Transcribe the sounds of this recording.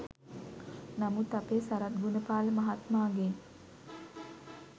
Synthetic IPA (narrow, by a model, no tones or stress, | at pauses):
namut̪apeːsaɾat̪̚ɡunəpaːləmaɦat̪maːɡen